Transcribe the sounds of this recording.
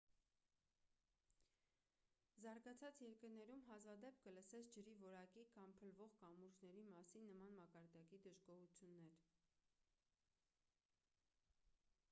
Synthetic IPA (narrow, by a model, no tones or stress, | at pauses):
zɑɾɡɑt͡sʰɑt͡sjɛɾkəɾnɛɾumɦɑzvɑd̪ɛp̚ʰkələsɛt͡sʰd͡ʒəɾivɔɾɑkikʰɑmpʰəlvɔʁkɑmuɾʒnɛɾimɑsinːəmɑnmɑkɑɾd̪ɑkid̪əʒɡɔhut͡sʰjunːɛɾ